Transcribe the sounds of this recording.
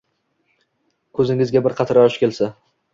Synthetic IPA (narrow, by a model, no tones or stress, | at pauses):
kʰɵzɪŋɪzɡʲabɪɾqʰɑt̪ʰɪɾɒʃkʲelsa